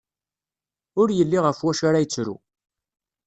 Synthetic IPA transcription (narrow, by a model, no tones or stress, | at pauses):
ʊɾjəlːiʁəfwæʃaɾajət͡sːɾṵ